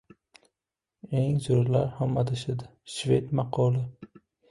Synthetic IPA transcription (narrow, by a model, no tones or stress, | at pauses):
eŋzoɾlaɾhamad̪ɪʃɪd̪ɪʃvet̪mɑqʰɒlˠɪ